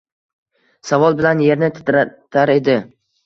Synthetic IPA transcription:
savɒlˠbɪlanje̞ɾnɪt̪ʰɪ̥t̪ɾat̪ʰaɾe̞d̪ɪ

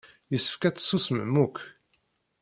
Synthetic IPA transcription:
jəsːə̥fkæt͡sːsːusmə̰mːuk

